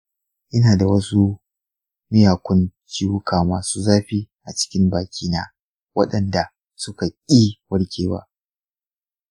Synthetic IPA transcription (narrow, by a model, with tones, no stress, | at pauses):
ʔɪ˦naː˨da˨wɐ˦su˦ | mɪ˦jaː˨kʷʊ˦nt͡ʃiː˦wʊ˦kʰaː˨maː˨suː˦zaː˦ɸi˦ʔa˨t͡ʃɪ̥˦kʲɪ˦mbaː˨kʲiː˦na̰ː˦ | wɐ̰˦ɗɐ˨nda˨ | sʊ˦ka˨kʲʼiː˦wɐ˦ɽkʲʰeː˨wa̰ː˦